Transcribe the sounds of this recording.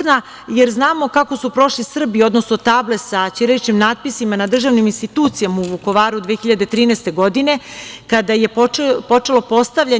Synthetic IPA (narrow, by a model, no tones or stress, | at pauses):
na | jeɾznaːmo̞kako̞supɾo̞ʃlisr̩bio̞d̪no̞snot̪aːble̞sat͡ɕiɾet͡ʃimnaːd̪̚pisimanad̪r̩ʒaʋniminst̪it̪uːt̪sijamauʋuko̞ʋaːɾud̪ʋeːxiʎad̪et̪ɾiːnɛst̪e̞ɡo̞d̪ine̞kad̪ajeppo̞t͡ʂelo̞po̞st̪aʋʎa